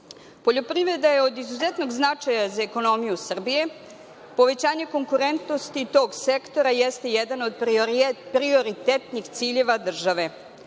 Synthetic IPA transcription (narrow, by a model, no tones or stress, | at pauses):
po̞ʎo̞pɾiʋɾe̞d̪ajeo̞d̪izuzet̪no̞ɡznat͡ʂajazaeko̞no̞mijusr̩bije̞ | po̞ʋe̞t͡ɕaːɲe̞ko̞ŋkuɾe̞nt̪no̞st̪it̪o̞ɡsekt̪o̞ɾajɛst̪e̞jɛd̪ano̞d̪ppɾio̞ɾit̪et̪nixt̪siːʎe̞ʋad̪r̩ʒaʋe̞